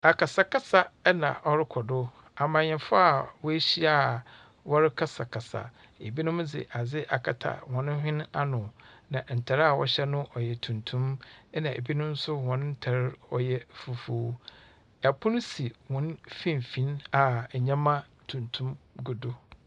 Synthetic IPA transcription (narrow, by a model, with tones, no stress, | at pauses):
a˨ka˨sa˨ka˦sa˨ɛ˦nã̰˨ʔɔ˦ɾɪ˦kʰɔ˨dʊ˦ | a˨mãː˨ɲɛ̃˨fʊ˦a˨wɔ˦e˦ɕi˦a˦ | wɔ˦ɾɪ˦kʰa˦sa˨kʰa˨sa̰˨ | e˨bi˦nʊ̃˦m˦d͡zɪ̰˨ʔa˨d͡zɪ˦ʔa̰˨kʰa˨tʰa̰˨wɔ̃˨nʊ̃˦ɦᶣɪ̃˦na˦nʊ̃˨nã˨n̩˨tʰa˨ɾa˨wɔ̰˦ɕɛ˦nʊ̃˦ʔɔ˨jɛ˨tʰũ˨ntʰũ˦mɛ˦nã˨ʔḛ˨bi˦nʊ̃˦n̩˦sʊ˦wɔ̃˨nʊ̃˦n̩˦tʰa˨ɾɔ˨jɛ˦fu˦fo˦ | ɛ˨pʰʊ̃˦ñ˦si˨wɔ̃˨n˦fĩ˦˨m˨fĩ˨˦na˨ɲã˦mã˦ | tʰũ˨ntʰũ˦mɡʊ˨dʊ˦